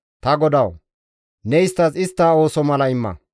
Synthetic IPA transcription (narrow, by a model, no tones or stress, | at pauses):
t̪ɐɡɔd̪ɐw | nɛɪst̪ːɐzɪst̪ːaːo̞ːsɔmɐlɐɪmːɐ̰